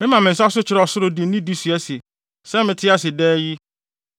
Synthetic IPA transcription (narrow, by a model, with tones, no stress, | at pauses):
mɪ̃˦mã˨mɪ̃˨n̩˨sa˦s̬ʊ˦t͡ɕʰɪ˨ɾɔ˨sʊ˦ɾʊ˨di˨˦nĩ˦di˦si˨æ˦se˨ | sɛ˦mɪ̃˨tʰɪ˦a˦sɪ˨dɛː˦ji˦